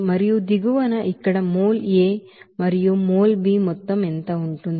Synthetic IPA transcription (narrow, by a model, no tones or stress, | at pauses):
mɐɾijud̪iɡuʋɐnɐʔikːɐɽɐmoːleː | mɐɾijumoːlbiːmɔt̪ːɐment̪ɐuɳʈund̪